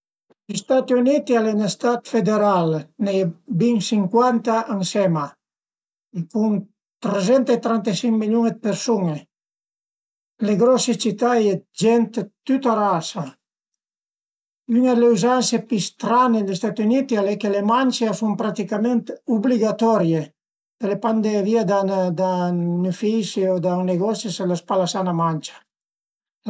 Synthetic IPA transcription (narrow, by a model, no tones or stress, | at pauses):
list̪at̪iunit̪ialenest̪at̪fed̪eɾalnejbiŋsiŋkwant̪aaŋsɛma | kun | t̪ɾezɛnt̪et̪ɾant̪esiŋmiljuned̪peɾsuŋe | leɡɾɔset͡ʃit̪ajed͡ʒɛnt̪t̪yt̪aɾasa | ynaleuzansepist̪ɾanelest̪at̪unit̪ialɛkːelemanʲt͡ʃeasumpɾat̪ikament̪ubliɡat̪ɔɾje | pelepand̪eviad̪ad̪anufisiod̪aneɡɔsiselospalasanamant͡ʃḁ